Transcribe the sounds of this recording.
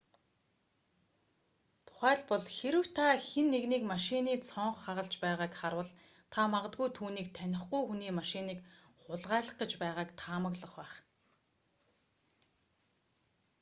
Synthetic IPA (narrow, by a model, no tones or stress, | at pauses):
t̪ʰʊ̥χæːɮpɔɮxeɾɘ̆wt̪ʰaxenːeɣniːkmaʃɪniːt͡sʰɔɴχːaʁə̆ɮt͡ɕpæːʁaːkχaɾwə̆ɮ | t̪ʰamaʁə̆t̪̚ɡujt̪ʰuːniːk̚t̪ʰænʲɪ̆χɡujxuniːmaʃɪniːk | χʊɮʁæːɮə̆χɡə̆t͡ɕpæːʁaːkt̪ʰaːmə̆ɣɮə̆χpæːχ